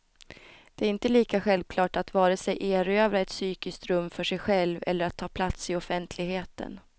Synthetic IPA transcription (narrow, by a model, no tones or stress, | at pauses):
d̪̥ɛæɾɪnt̪əliːkaɧɛlvkʰlɑːʈat̪vɑːɾəsɛjʔeːɾøːvɾaɛt̪syːkɪskt̪ɾɵmːfœʂɛjɧɛlvɛ̰lːəɾat̪ʰːɑːpʰlat̪sɪɔfɛnt̪ʰlɪɡheːt̪ə̰n